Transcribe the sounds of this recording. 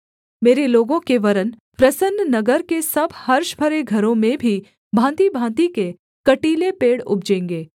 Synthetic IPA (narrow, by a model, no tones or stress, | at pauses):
meːɾeloːɡõkeʋɐɾən | pɾɐsənːnɐɡəɾkesɐbʱhɐɾʃbʱəɾeɡʱɐɾõmẽbʱi | bʱãːnt̪ibʱãːnt̪ike | kɐʈiːlepeːɽʊ̰b̚d͡ʒẽːŋɡeː